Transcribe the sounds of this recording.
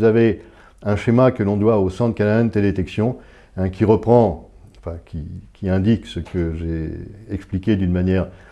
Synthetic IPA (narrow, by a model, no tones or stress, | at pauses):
zave | ɛ̃ʃemakəlɔ̃d̪waosɑ̃t̪əkanaɛnət̪eldeet̪ɛksjɔ̃ | ɛ̃kʲiʁəpχɑ̃ɑ̃fɛ̃kʲʰikʲʰiɛ̃d̪iksəkʰəʒeɛksplikʲed̪ynmanjɛːʁ